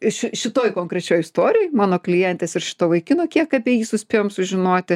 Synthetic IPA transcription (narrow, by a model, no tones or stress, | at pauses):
ʃʲɪʃʲɪt̪oːjkoːŋkɾʲɛt͡ʃʲoːjɪst̪oːɾʲɪjoɔːjmɑːnoːklʲɪjɛnʲt̪ʲeːsɪrʃʲɪ̥t̪oːʋɐɪkʲɪnoːkʲiɛkɐpʲiɛjiːsʊsʲpʲeːjoːmsʊʒʲɪnoːt̪ʲɪ